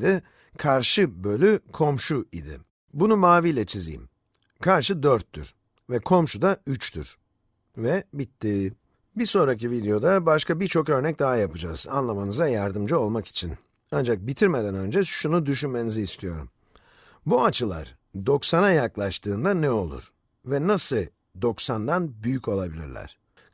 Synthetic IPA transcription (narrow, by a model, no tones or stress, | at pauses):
d̪i | kʰaɾʃɯbø̞lʲykʰo̞mʃuid̪ɪ̰ | bunumaːvijlʲɛt͡ʃʰizḭḭm | kʰaɾʃɯd̪øɾt̪ːy̰ɾ̥ | vɛkʰo̞mʃud̪ayt͡ʃt̪y̰ɾ̥ | vɛbit̪ʰːiː | biso̞nɾacivid̪ejo̞d̪abaʃkabiɾt͡ʃʰo̞kø̞ɾnɛc̚d̪aɦajapɯd͡ʒaːz̥a̰nlˠamanɯzajaɾd̪ɯmd͡ʒio̞lˠmaki̥t͡ʃʰin | and͡ʒak̚bit̪ʰiɾmed̪ænø̞nd͡ʒɛʃunud̪yʃynme̞niziːst̪ʰijo̞ɾṵm | buat͡ʃʰɯlˠa̰ɾ | d̪o̞ksanajaklˠaʃt̪ʰɯːnd̪anɛo̞lˠṵɾ̥ | vɛnasɯ | d̪o̞ksand̪anbyjyco̞lˠabilʲḭɾlʲæ̰ɾ̥